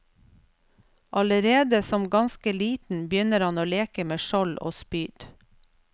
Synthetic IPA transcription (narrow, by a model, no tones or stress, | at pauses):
ʔɑləɾeːd̪əsɔmɡɑnskəliːt̪n̩bjʏnəɾhɑnoːleːkəmeːʃɔlʔo̰ːspyːɖ